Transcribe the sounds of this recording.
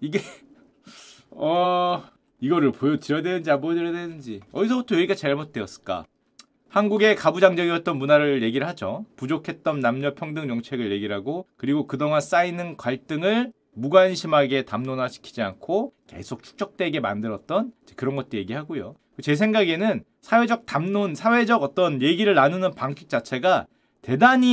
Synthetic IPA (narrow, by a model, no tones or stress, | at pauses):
iɡe | ʌ | iɡʌɾɯɭpojʌtɯɾjʌdwenɯnd͡ʑiabojʌdɯɾjʌdwenɯnd͡ʑiʌ̰dis̬ʰʌbutʰʌjʌɡiɡat͡ɕaɭmot̚t͈eʌs͈ɯ̥k͈a̰ | hanɡuɡe̞kabud͡ʑaŋd͡ʑʌɡiʌt̚t͈ʌnmunaɾɯje̞ɡiɾɯɭɦad͡ʑopud͡ʑokʰe̞t̚t͈ʌnːamɲʌpʰjʌŋdɯŋɲʌŋt͡ɕʰe̞ɡɯɭje̞ɡiɾɦaɡokɯɾiɡokɯdʌŋans͈ainɯnkwaɭt͈ɯŋɯɭ | muɡwanɕʰimɦaɡe̞tamnonaɕʰi̥kʰid͡ʑia̰nkʰoke̞̰sʰok̚t͡ɕʰu̥k̚t͡ɕ͈ʌk̚t͈we̞ɡe̞ma̰ndɯɾʌt̚t͈ʌnd͡ʑekɯɾʌnɡʌt̚t͈oje̞ɡiɦaɡojo | kɯt͡ɕe̞s̬ʰe̞ŋɡaɡe̞nɯn | sʰawe̞d͡ʑʌk̚tamnonsʰawe̞d͡ʑʌɡʌt͈ʌnje̞ɡiɾɯɭːanunɯnpaŋkʰi̥k̚t͡ɕ͈at͡ɕʰe̞ɡa | te̞daɲi